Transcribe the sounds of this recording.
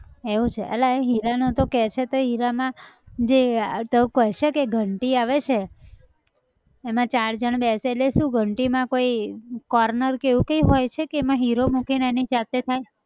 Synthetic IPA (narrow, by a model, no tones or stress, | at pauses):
eʋũt͡ʃʰeʔə̰laeɦiɾanõt̪okɛt͡ʃʰet̪oɦiɾamãd͡ʒet̪əũkəʃekeɡʱəɳʈiaʋet͡ʃʰe | mãt͡ʃaɽd͡ʒəɳ̃beseːtleʃũɡʱəɳʈimãkoikɔɾnəɾkeʋũkəjɦojt͡ʃʰekeːmãɦiɾomukinenid͡ʒat̪et̪ʰaj